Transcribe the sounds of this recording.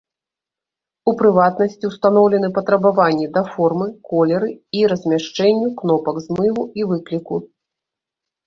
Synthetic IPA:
upɾɨvat̪nɐsʲt͡sʲiwst̪anɔwlʲɛnɨpɐt̪ɾɐbavanʲːid̪ɐfɔrmɨkɔlʲɛɾɨiɾɐzʲmʲaʂt͡ʂɛnʲːuknɔpɐɡzmɨlˠuivɨklʲiku

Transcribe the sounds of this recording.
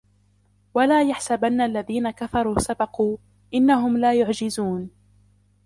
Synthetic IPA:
walaːjaħsabanːaʔalːaðiːnakafɑɾˤuːsabɑquː | ʔɪnːaɦʊmlaːjʊʕd͡ʒɪzuːn

